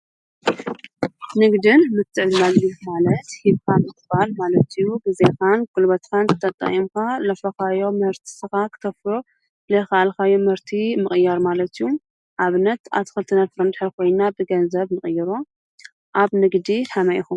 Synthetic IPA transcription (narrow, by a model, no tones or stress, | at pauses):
nɨɡd̪ɨnmɨt̪ʰːɨʕd̪nazilmalɐt̪hiβkʰanɨt̪ʰːɨbalmalɐt̪ijuɡɨzekanɡ̥ʊlbɐt̪kʰankʰɨ̥t̪ʰːɐt̪ʼɐ̰χʼimkalɐfɐkajo̞mɨhɨɾt̪ʰi̥sɨxakʰɨ̥t̪ʰɐfɾo | lɐxaʔalkajomhɨɾt̪ʰimɨχʼɨjːɐɾmalɐt̪ijːu | ʔaβɨnːɐt̪a̰t̪ʰxɨlt̪ʰɨnɐt̪fɨɾɐnd̪ɨħɨɾkʰo̞jnabɨɡɐnzɐβnɨχʼɨjːɨɾo | ʔaβnɨɡd̪iħamɐʔixum